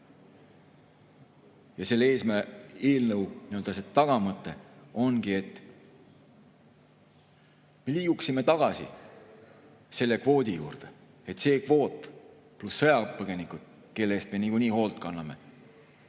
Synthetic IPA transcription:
jɑse̞lːee̞ːsmæeːlnɤwniø̞ld̪̥ɑset̪ɑɡ̥ɑmɤt̪ːˑe̞o̞nɡ̥ie̞t̪ːˑ | me̞liːɡ̥uksime̞t̪ɑɡ̥ɑsḭ | se̞lːe̞kvo̞ːd̪̥ʲijṵːrd̪̥e̞ | e̞t̪se̞ːkvo̞ːt̪ˑ | plusːɤ̞jɑpɤɡ̥e̞nikud̪̥ | ke̞lːest̪me̞niɡuniːho̞ːlt̪kɑnːɑme̞̰

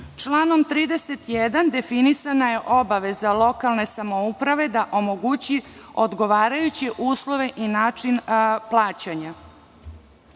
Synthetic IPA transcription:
t͡ʂlˠaːno̞mt̪ɾiːd̪eset̪jed̪and̪e̞finisanaje̞ʔo̞baʋe̞zalˠo̞kalˠne̞samoupɾaʋe̞d̪aʔo̞moɡut͡ɕio̞d̪ɡo̞ʋaːɾajut͡ɕeʔuːslˠo̞ʋe̞ʔinaːt͡ʂinplˠaːt͡ɕaɲa

